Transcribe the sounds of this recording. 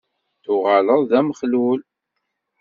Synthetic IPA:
θʊʁaləðˤðæməχlul

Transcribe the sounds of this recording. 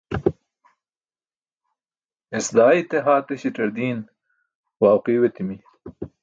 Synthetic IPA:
ɪsd̪aːit̪eɦaːt̪eɕiʈɐɾd̪iːn | waːwqiːwet̪imi

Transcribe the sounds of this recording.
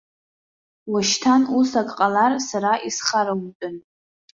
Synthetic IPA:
waʃtʰanusakʼqʼalarsaɾaʔisχaɾautʼʊn

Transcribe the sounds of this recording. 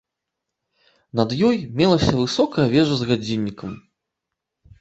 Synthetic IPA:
nɐd̪jɔjmʲɛlˠɐsʲɐvɨsɔkɐjɐvʲɛʐɐzɣad͡zʲinʲːikɐm

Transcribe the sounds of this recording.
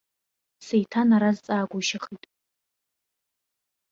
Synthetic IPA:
sejtʰanaɾazt͡sʼaːɡʷʊʃaχitʼ

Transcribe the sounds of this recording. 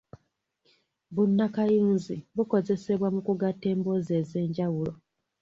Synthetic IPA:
βunːakajuːnziβuko̞ze̞se̞βwamukuɡatːe̞ːmbo̞ze̞ːze̞ːɲɟawulo̞

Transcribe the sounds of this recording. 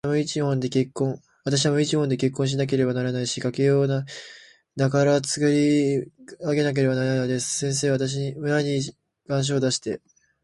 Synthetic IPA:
moit͡ɕihõ̞nd̪e̞ke̞kːõ̞ŋ̃ | βat̪aɕ̬iβamoit͡ɕihõnd̪e̞ke̞kːõɕ̬inak̬e̞ɾe̞banaɾanaiɕikakejo̞ːna | d̪akaɾat͡sɨ̥kɯɾʲi | aɡe̞nak̬e̞ɾe̞banaɾad̪e̞sɨ̥sẽ̞ɰ̃s̬e̞ːβat̪aɕ̬iɲmɯ̟ɾaɲi | ɡ̥ãɰ̃ɕ̬o̞ːd̪aɕi̥t̪e̞

